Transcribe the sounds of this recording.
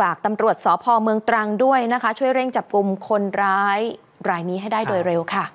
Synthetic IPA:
aː˨˩k̚t̪a˧mɾu˨˩ət̪̚sɔː˩˦pʰɔː˧mɯ˧əŋt̪ɾa˧ŋdu˥˩əjna˦˥kʰa˦˥t͡ɕʰu˥˩əjɾe˥˩ŋt͡ɕa˨˩p̚ku˧mkʰo˧nɾaː˦˥j | ɾaː˧jniː˦˥ɦa˥˩jdaː˥˩jdoː˧jɾe˧wkʰa˥˩

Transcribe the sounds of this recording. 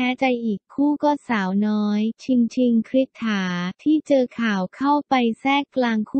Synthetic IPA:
ɛː˦˥t͡ɕa˧jʔiː˨˩kkʰːuː˥˩kɔː˥˩saː˩˦wnɔː˦˥jt͡ɕʰi˧ŋt͡ɕʰi˧ŋkʰɾi˦˥t̪ʰːaː˩˦t̪ʰiː˥˩t͡ɕɤː˧kʰaː˨˩wkʰa˥˩wpa˧jsɛː˥˩kkːlaː˧ŋkʰuː˥

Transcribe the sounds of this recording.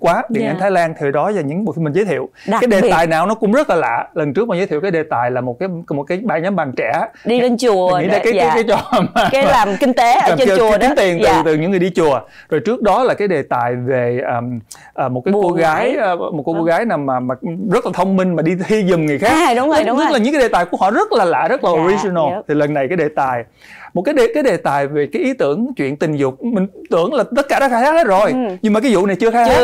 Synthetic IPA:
kwaː˨˦ɗi˨˩˨ʔaː˨˧˦t̪ʰaː˨˦jlaː˧nt̪ʰi˨˩ɗɔ˨˦zaː˨˩ɲɨ̰˧˥ŋɓo̰˧˨jfi˧nmi̟˨˩zə˨˦t̪ʰḭ˧˨əwkːjɗe˨˩˦t̪aː˨jnaː˨˩wnɔ˨˦kʊ̰˧˥ŋ͡mzə˦˥t̚laː˨˩la̰ː˧˨lə˨˩nt͡ɕɨ˦˥ək̚ma˨˦zəː˨˦t̪ʰi˧˨wkːjɗe˨˩t̪aː˨˩jlaː˨˩mo˨˩t̚kaː˨˦jmo˨˩t̚kaː˨˦jɓaː˧˩nɲa˨˦mɓaː˨˩ŋt͡ɕɛ˧˩˦ɗi˧e˧nt͡ɕu˨˩˨ŋḭ˧˦˧ka˨˦˨kaː˨˦jt͡ɕɔ˧˨˩ka˨˦laː˨˩mki˧ŋ̟t̪e˨˦aː˨˩˧i˨˦t̪i˨˩ənt̪ɨ˨˩t̪ɨ˨˩ɲɨ̰˧˥ŋɨ˨˩əjɗi˧t͡ɕu˨˩ə | zo˨˩jt͡ɕɨ˦˥ək̚ɗɔ˨˦laː˨˩kaː˨˦jɗe˨˩t̪aː˨˩jve˨˩ʔəː˨˩m | ʔəː˨˩mo˨˩t̚kaː˨˦ko˧ɣaː˨˦jm˨˩t̚ko˧ko˧ɣaː˨˦jnaː˨˩maː˨˩maː˨˩zə˦˥t̚laː˨˩t̪ʰə˧wŋ͡mmï˧ŋ̟maː˨˩ɗi˧t̪ʰi˧zɨ˨˩ŋ͡mŋ˨˩əjxaː˦˥k̪ːɲɨ˦˥la˨˩ɲɨ̰˧˥ŋaː˨˦jɗe˨˩t̪aː˨˩jku˧˩əhɔ̰˧˨˦zə˦˥t̚laː˨˩la̰ː˧˨zə˦˥t̚laː˨ʔo˨˩ɹi˧zi˧nə˧˩lt̪ʰi˨˩lə˨˩nːa˨˩jkaː˨˦jɗe˨˩t̪aː˨˩j | mo˨˩kaː˨˦je˨˩kaː˨˦jɗe˨˩t̪aː˨˩jve˨˩kaː˨˦jʔi˨˦t̪ɨ˧˩əŋt͡ɕwḭ˧˨ənt̪ï˨˩ŋ̟zʊ˨˩k͡p̚mï˨˩ŋ̟t̪ɨ˧˥əŋlaː˨˩t̪ə˦˥t̚kaː˧˩ɗɔ˨˦˥xaː˧˦jxaː˦˥he˨˦˥zo˨˩jɲɨ˧ŋmaː˨˩kːa˨˦zṵ˧˨na˨˩jt͡ɕɨ˧əxaː˧˦h

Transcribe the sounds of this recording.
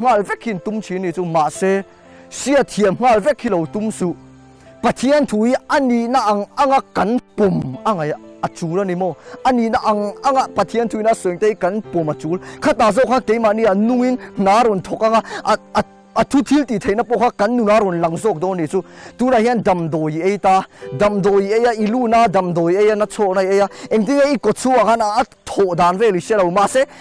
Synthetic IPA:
ŋ̥a˦˧˨lvɛ˦kʰːi˨nt̪u˦mt͡sʰi˨˦ni˨t͡su˦ma˨ʔse˦ | si˦a˨t̪ʰi˧˨ə˨mŋ̥ŋa˧˨lvɛ˦kʰːi˧˨lo˨wt̪u˨˦msu˨˦ | pɐ˨t̪ʰi˦ə˦˨nt̪ʰu˨i˦ɐ˨ni˨na˦ʔa˨ŋa˦˨ŋa˨ʔkɐ˨˦npɔ˨mʔa˦ŋa˨jɐ˨t͡suː˨˦la˦˧ni˨mɔ˧˨ʔɐ˦ni˨na˦ʔa˨ŋa˦ŋa˨ʔpɐ˨t̪ʰi˦ə˦˨nt̪ʰu˨i˨˦na˧˨sɔ˨ŋt̪e˧˦i˦kɐ˨˦npɔ˨mɐ˨t͡su˨˦lkʰa˦t̪aː˨zɔ˦˨kʰa˦ke˨˦jma˨ni˧˨a˨nu˧˨ŋi˦nna˨˦ɾɔ˨nt̪ʰɔ˨k̚a˦ŋa˨ʔ | ɐ˨t̪ʰu˦t̪ʰi˦lt̪i˨t̪ʰe˨jna˦pɔ˧˨kʰa˦kɐ˨˦nːu˨na˦ɾɔ˨nlɐ˨ŋzɔ˧˨k̚d̪ɔ˧˦ni˨t͡su˦t̪u˦na˨ɦi˦ɐ˦ndɐ˨md̪ɔ˨ji˨e˦jt̪a˧dɐ˨md̪ɔ˨ji˨e˧˦ja˧˨ʔi˨lu˦˨na˦dɐ˨md̪ɔ˨je˦ja˦na˦t͡sʰɔ˧˨ʔna˧˨e˧˦ja˧ʔɛ˨ŋt̪i˦ŋa˦ʔi˦kɔ˨t͡sʰu˦a˨ŋa˦˨na˧ʔt̪ʰɔ˨ʔd̪aː˨nvɛ˦˧˨li˨sɛ˦ɾlɐ˨wma˧˨sɛ˦˨

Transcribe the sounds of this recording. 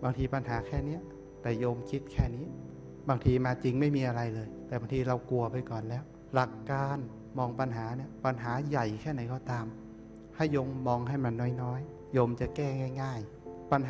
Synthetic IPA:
baː˧ŋt̪ʰiː˧pa˧nɦaː˩˦kʰɛː˥˩ni˦˥ɐ | t̪ɛː˨˩joː˧mkʰi˦˥t̪̚kʰɛː˥˩niː˦˥ | baː˧ŋt̪ʰiː˧maː˧t͡ɕi˧ŋma˥˩jmiː˧ʔa˧ɾa˧jlɤː˧jt̪ɛː˨˩baː˧ŋt̪ʰiː˧ɾa˧wku˧ɐpʰa˧jkɔː˨˩nlɛː˦˥w | la˨˩kːaː˧n | mɔː˧ŋpa˧nɦaː˩˦ni˦˥˩ɐpa˧nɦaː˩˦ja˨˩jkʰɛː˥˩na˨˩˦jkɔː˧˩t̪aː˧m | ha˥˩jːoː˧mːɔː˧ŋɦa˥˩jma˧nːɔː˦˥jnɔː˦˥j | joː˧mt͡ɕa˨˩kɛː˥˩ŋaː˥˩jŋaː˥˩j | pa˧nɦ

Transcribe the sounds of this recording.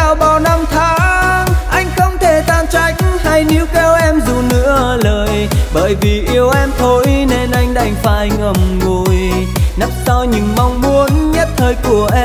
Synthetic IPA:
aː˨˧˩wɓa˨˩wna˧mt̪ʰaː˧˦ʔa˧jŋ̟xə˧wŋ͡mt̪ʰe˧˩t̪aː˧˩nt͡ɕa˧˩jk̟̚ha˧jni˨˦əwkɛ˧wʔɛ˧mzu˨˩nɨ̰˧˥ələː˨˩jɓəː˧˨˩jvi˨˩ʔi˧əwʔɛ˧mt̪ʰo˧jne˧nʔa˧jŋ̟ɗa̰˧˩jŋ̟faː˨˩ʔjŋ̟ʔə˧˩mŋo˨˩j | na˦˥m̚sa˧wɲɨ̰˧˩ŋma˧wŋ͡mmu˧ənɲə˦˥t̚t̪ʰəː˧jku˧˩əʔɛ˧

